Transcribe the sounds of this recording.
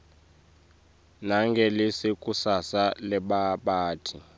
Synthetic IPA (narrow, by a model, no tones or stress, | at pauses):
naŋɡʱɛlesikʼusasalɛɓaɓaːtʰi